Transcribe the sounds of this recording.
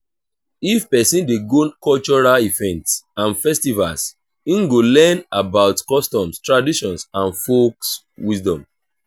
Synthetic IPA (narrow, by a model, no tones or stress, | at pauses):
ifpɛsĩndeɡonkɔlt͡ʃɔɹalivɛ̃ntsãnfɛstiva̰ls | ĩŋɡolɛnabaʊtkɔstɔ̃mstɹadiʃɔ̃nsãnfoks | wisdɔ̃m